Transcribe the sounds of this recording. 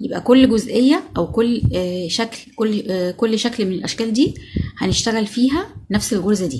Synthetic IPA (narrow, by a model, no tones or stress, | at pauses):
jebʔækolːɡozʔejːæʔæwkolːʃæklkolːkolːʃæklmenelʔæʃkæːld̪iːhæneʃt̪æɣælfiːɦænæfselɣoɾzæd̪ḭː